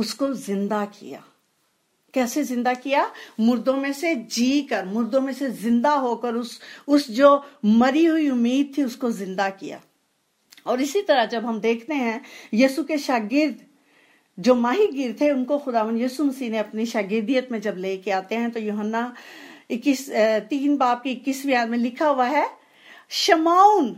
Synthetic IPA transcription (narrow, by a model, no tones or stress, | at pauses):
ʊskozɪ̃nd̪akḭja̰ː | kɛːsezɪ̃nd̪akijamʊɾd̪õmẽsed͡ʒiːkɐɾmʊɾd̪õmẽsezɪ̃nd̪aɦokəɾʊsʊsd͡ʒoːmɐɾiɦʊiʊmːiːd̪̚t̪ʰiʊskozɪ̃nd̪akija̰ː | ɔːɾɪsit̪ɐɾəd͡ʒɐbɦɐmd̪eːkʰt̪eɦɛ̃jiːsukeʃaːɡɪɾd̪ | d͡ʒoːmaːɦiɡɪɾt̪ʰeʊnkoxʊd̪aːʋə̃nd̪juːsumɐsiːɦneɐpniʃaːɡɪɾd̪ijət̪mẽd͡ʒɐbleːkeaːt̪eɦɛ̃t̪ojuːɦənːaɪkɪst̪iːnbaːp̚kikːɪsmijaːdmẽlɪkʰaʊʋaɦɛ | ʃɐmaːʊn